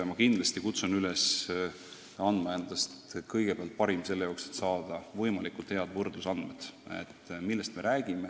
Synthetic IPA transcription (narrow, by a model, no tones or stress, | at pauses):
ɑmɑkind̪lɑst̪ikut̪sunyles | ɑnd̪mɑend̪̥ɑst̪kɤjɡ̥epeɑlt̪̚pɑɾimse̞lːe̞jokset̪sɑːd̪̥ɑvɤjmɑlikult̪he̞ɑd̪̥vɤrd̪usɑnd̪med̪̥ḛt̪ːˑmilːest̪me̞ɾæːɡ̥ime̞